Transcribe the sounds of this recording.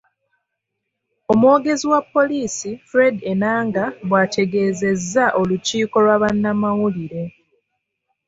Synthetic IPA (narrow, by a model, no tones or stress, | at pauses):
o̞mwo̞ːɡe̞ziwapːo̞liːsifɾe̞de̞naːŋɡaβwaːtʰe̞ɡe̞ːze̞zːaʔo̞luciːko̞lwaβanːamawuliɾe̞